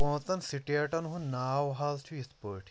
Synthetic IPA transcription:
õːt̪ɐnsiʈiɐʈɐnɦũnnaːwɦaːlt͡ʃʰuispəːʈʰ

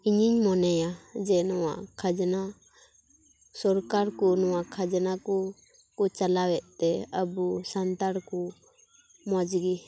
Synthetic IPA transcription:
iɲiɲmɔnɛjad͡ʒɛnɔwa̰ʔkʰad͡ʒna | sɔɾkaɾkɔnɔwakʰad͡ʒnakɔ | kɔt͡ʃalawɛʔt̪ɛəbusant̪aɾkɔ | mɔd͡ʒɡi

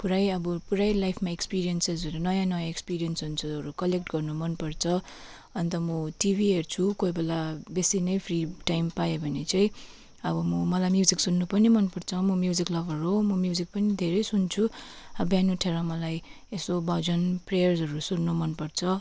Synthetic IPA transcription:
puɾajʌbʌpuɾajlajpʰmaekspiɾijʌnsesʌɾunʌjãnʌjãekspiɾijʌnsʌnsʰʌʌɾukʌlek̚ʈɡʌrnumʌnpʌrt͡sʰʌ | ʌnt̪ʌmʌʈibʱiɦert͡sʰukojbʌlabesinʌjpʰriʈajmpajebʱʌnet͡saĩ | ʌbʌmʌmʌlajmjuziksunːupʌnimʌnpʌrt͡sʰʌmʌmjuziklʌbʱʌɾɦomʌmjuzik̚pʌnid̪ʱeɾʌjsunt͡sʰuʌbjanuʈʰeɾʌmʌlaj | esobʌd͡zʌnprejʌrzʌɾusunːumʌnpʌrt͡sʰʌ

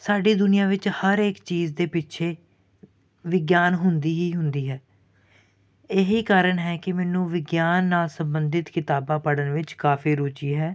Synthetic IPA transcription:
saːɖiːd̪ʊnɪjãːʋɪt͡ʃhəɾeːkt͡ʃiːzd̪eːpɪt͡ʃʰeː | ʋɪɡjaːnɦʊnd̪iːɦiːɦʊnd̪iːɦɛː | eɦiːkaːɾəɳɦɛːkɪmɛːnũːʋɪɡjaːnːaːlsəmbənd̪ɪt̪kɪt̪aːbãːpəɽənʋɪt͡ʃkaːfʰiːɾoːt͡ʃiːɦɛː

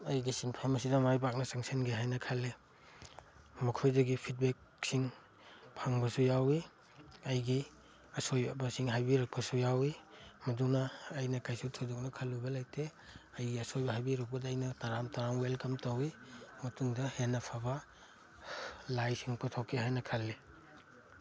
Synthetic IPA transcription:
ɐjɡisinpʰamɐs̬idɐmajbak̚nɐsaŋsenɡeɦajnɐkʰalːe | mɐkʰojdɐɡipʰit̚bek̚ | siŋ | pʰaŋbɐsujawi | ɐjɡi | ɐsojba̰basiŋɦajbiɾɐk̚pɐsujawimɐduŋnɐːjnɐkajsutʰodɔk̚nɐkʰɐlːubɐlajtʰeɐjɡiɐsojbɐɦajbiɾɐk̚bɐdɐjnɐtaɾamtaɾamwelkɐmtawimɐtuŋdɐhenɐpʰabɐ | lajsiŋputʰokːehajnɐkʰalːe

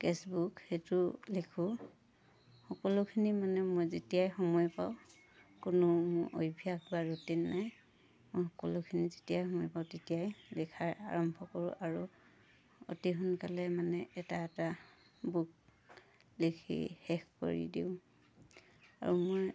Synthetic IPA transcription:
kesbukxejtʊlikʰʊ | hɔkɔlʊkʰinimanɛmojzetijajxɔmɔjpaʊ̃ | kʊnʊmʊɹʔo̰jbʱijakbaɹotinːaj | mojxɔkɔlʊkʰinizetijajhɔmɔjpaʊtetijajlikʰaɹa̰ɹɔmbʱɔkɔɹʊ̰ʔaɹu | o̰tiɦunkalɛmanɛɛtaɛta | buk̚ | likʰḭhɛkko̰ɹḭdḭʊ̃ | a̰ɹumoj

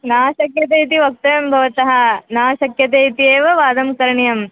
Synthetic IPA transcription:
naːʃɐkjɐt̪̬eːit̪̬iʋɐk̚t̪ɐjɐmbʱɐʋɐt̪ɐɦɐ̆naːʃɐkjɐt̪eːit̪ieːʋɐʋaːd̪ɐmkɐɾɐɳijɐm

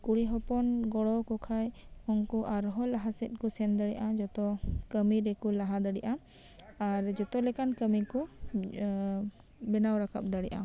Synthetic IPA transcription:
kuɽiɦɔpɔnɡɔɽɔkɔkʰajɔŋkɔʔaɾɦɔlaɦasɛt̪̚ˀkɔsɛnd̪əɽɛʔad͡ʒɔt̪ɔkəmiɾɛkulaɦad̪aɽiʔa | aɾd͡ʒɔt̪ɔlɛkankəmikɔ | bɛnawɾakʰa̰p̚d̪aɽɛʔa̰

